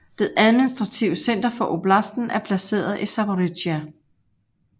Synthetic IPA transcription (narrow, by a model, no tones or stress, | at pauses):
d̥eʔæð̞ˠminisd̥ʁɑ̈t͡sʰiʊəsen̰d̥ɐfɒ̽ʔo̝b̥læsd̥n̩æɐpʰlæse̝̰ːɐð̞ˠʔisɑboʁidjæ